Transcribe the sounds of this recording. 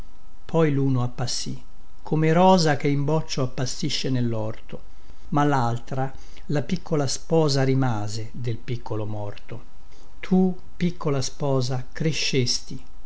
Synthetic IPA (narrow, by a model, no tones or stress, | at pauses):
pʰɔjluːnoapːasːi | kʰːomeɾɔːzak̟eimbɔt͡ʃːoapːasːiʃːenelːɔrt̪o | malːalt̪ɾa | lapikːolaspɔːzaɾimaːzed̪elpikːolomɔrt̪o | t̪ʰu | pikʰːolaspɔːzakɾeʃːest̪i